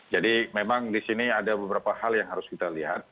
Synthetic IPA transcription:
d͡ʒadimemaŋdisiniadabəbəɾapahaljaŋɦaɾʊskit̪aliɦa̰t̪̚

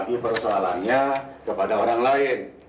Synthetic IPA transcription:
ɡipərsoala̰nɲakəpadaoɾaŋlaɪn

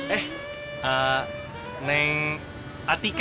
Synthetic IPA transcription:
ɛh | a | nɛŋ | at̪ik

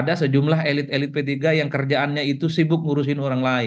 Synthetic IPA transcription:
adasəd͡ʒumlaɦelɪt̪̚elɪt̪̚pət̪iɡajaŋkərd͡ʒaʔanɲait̪usibʊk̚muɾus̬ɪnoɾaŋlaɪ

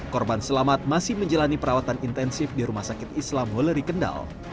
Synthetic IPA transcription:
kɔrbansəlamat̪̚masɪhməɲd͡ʒalanipəɾawat̪anint̪ɛnsɪfdiɾumahsakɪt̪islamɦoləɾikənda̰l

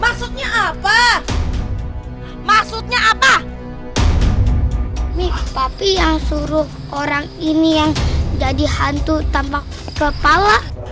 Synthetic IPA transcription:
maksut̪̚ɲaːpa | maksut̪̚ɲaːpa | nit̪apijaŋsuɾʊh | oɾaŋinijaŋd͡ʒadihant̪ut̪ampakːəpala

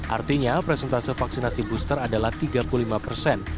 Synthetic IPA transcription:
ʔa̰rt̪iɲapɾɛsɛnt̪asəfaksinasibust̪əɾadalaht̪iɡapuulimapərsɛn

